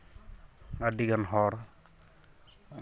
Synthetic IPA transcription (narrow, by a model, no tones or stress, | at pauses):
adiɡanɦɔɾ